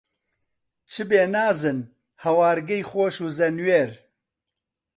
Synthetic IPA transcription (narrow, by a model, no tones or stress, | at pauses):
t͡ʃʰɨbeːnaːzɨn | hɐwaːɾɡɐjxoːʃuːzɐnweːɾ